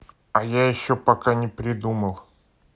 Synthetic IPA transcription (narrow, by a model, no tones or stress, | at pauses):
ɐjajɪɕːopɐkanʲɪpɾʲɪd̪uməlˠ